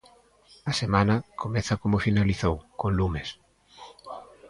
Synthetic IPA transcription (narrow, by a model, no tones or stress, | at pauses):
ɐsemanɐkʰomɛθɐkomofinaliθowkonlumes